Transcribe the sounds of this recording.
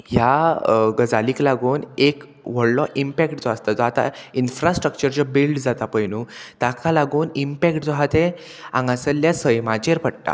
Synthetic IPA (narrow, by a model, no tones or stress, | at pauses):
jaɡəd͡zaliːklaɡuːnek | ʋ̤əɽlɔʔimpɛkʈd͡zɔast̪ad͡zɔat̪a̰infɾasʈɾək̚t͡ɕəɾt͡ɕɔbilɖd͡zat̪apəjnuːt̪akʰalaɡuːnimpɛkʈd͡zɔɦat̪e | ã̰ŋɡãsəljasəjmat͡ɕeɾpəɽʈa̰